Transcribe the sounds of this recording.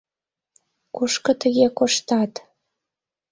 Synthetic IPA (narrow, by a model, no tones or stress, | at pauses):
kuʃkɤ̆t̪əɣekoʃt̪ɑt̪